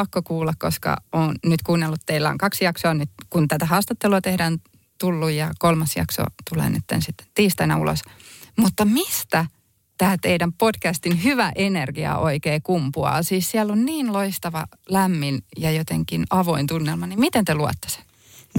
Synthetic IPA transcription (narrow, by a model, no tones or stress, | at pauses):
ɑkːokuːlːɑkkoskɑ̰oːnnyt̪kuːnːelːut̪t̪eilːæo̰ŋkɑksjɑksoɑnyt̪kunt̪æt̪æhɑːst̪ɑt̪ːeluɑt̪ehɾæn | t̪ulːujjɑkolmɑsjɑ̰kso̰t̪ulḛnḛt̪ːḛnsit̪ːe̥t̪iːst̪ɑinæ̰ulo̰smut̪ːɑmist̪æ | t̪æːt̪eidæmpod̥kæst̪inhyʋæʔenerɡ̥iɑ̰ʔoikeːkumpuɑ̰siːssiælːonniːnloist̪ɑʋɑ̰ | læmːinjɑjot̪eŋkinɑʋoint̪unːelmɑnimmit̪ent̪eluɑ̰t̪ːe̥se̥